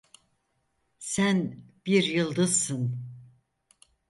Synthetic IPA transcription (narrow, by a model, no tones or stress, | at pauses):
sænb̥iɾjɯlˠd̪ɯzsɯn